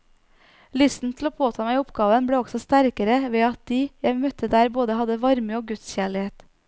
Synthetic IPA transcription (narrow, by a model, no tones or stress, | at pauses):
lʏst̪n̩t̪ʰl̩oːpʰoːt̪ʰɑːmæɪʊpɡɑːʋənbɽeːɔɡsɔst̪æɾkəɾəʋeːɑt̪̚d̪iːjæɪmœt̪əd̪æːɾboːd̪əhɑd̪əʋɑɾməoːɡʉt̪sçæːɭɪheːt̪